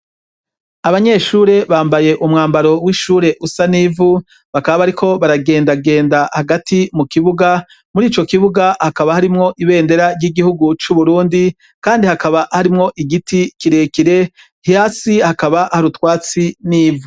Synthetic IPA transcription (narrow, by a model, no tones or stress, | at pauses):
aβaɲe̞ʃuːɾe̞βaːmbaje̞ʔumŋaːmbaɾo̞wiʃuːɾe̞ʔusaniːvu | βakaβaβaɾikʰo̞βaɾaɡe̞ːndaɡe̞ːndahaɡatʰimukiβuɡa | muɾiːt͡ʃo̞kiβuɡahakaβahaɾimŋo̞ʔiβe̞ːnde̞ɾaɾɟiɡihuɡut͡ʃuβuɾuːndi | kaːndihakaβahaɾimŋo̞ʔiɡitikiɾe̞ːkiɾe̞ | hjaːsihakaβahaɾutwaːt͡siniːvu